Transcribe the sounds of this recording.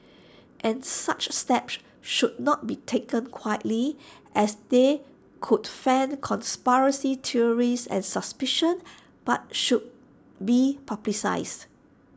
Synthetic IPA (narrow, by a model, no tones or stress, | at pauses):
ʔɛ̃nsat͡ʃstɛps | ʃud̚nɔt̚bitʰekə̃nkʰwajətliʔɛsde | kʰudfɛ̃nkʰɔ̃nspaɹə̃sitʰiəɹisɛ̰̃nsəspiʃə̃n | b̥at̚ʃud̚ | bipʰablisa̰ɪs